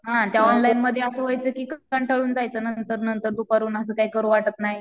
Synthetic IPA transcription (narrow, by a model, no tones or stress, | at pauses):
ɦãt̪jaɔnlajinməd̪ʱːjeəsəʋəjt͡səkiːkkaɳʈʰəɭuːnd͡zajt͡səːnənt̪əɾnənt̪əɾd̪upaɾuːnəsəːkaijkəɾuʋaʈək̪naɦj